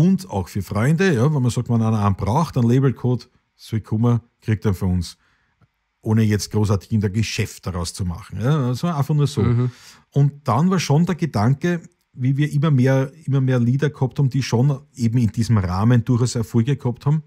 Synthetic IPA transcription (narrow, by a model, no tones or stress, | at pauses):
ʊndɑ̰ʊxfyːɐfʁɔʏndəjɑːvɛnmɐsɑk̚tmananɐan̚b̥ʁaʊxtanleɪːbl̩kʰoːt | soikʰʊmɐkʁ̥ik̚td̥anfyːɐʊns | ʔoːnəjɛt͡st̚ɡ̥ʁoːs̬aɐtɪ̥çɪndəɐɡəʃɛftd̥ɐʁaʊst͡suma̰χŋ̩jɑsaːʔæ̃nfɐχnuːɐsoː | ʊntd̥anvaːɐʃondɛːɐɡədaŋkə | viːviːɐʔɪmɐmeːɐɪmɐmeːɐliːdɐkhɔp̚thaːbm̩d̥iːʃonʔeːbm̩ɪnd̥iːzm̩ʁaːmənduɐxaʊsɛɐfuɡəkhɔp̚thaːbm̩